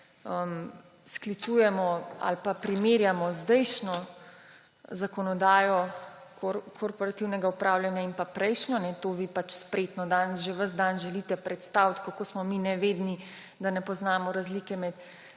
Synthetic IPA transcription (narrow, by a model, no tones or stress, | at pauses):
əm | sklit̪suːjɛmɔa̰lpapɾimeːɾjamɔzd̪ɛjʃnɔ | zakɔnɔd̪aːjɔkokʰoɾpɔɾat̪iwnɛɡaupɾaːwlʲjanjaimpapɾɛjʃnɔnɛt̪oːʋiːpat͡ʃspɾeːt̪nɔd̪anʒɛʋəzd̪anʒɛliːt̪ɛpɾɛt̪st̪awt̪kakosmɔminɛʋeːd̪ni | d̪anɛpɔznaːmɔɾazliːkɛmɛt̪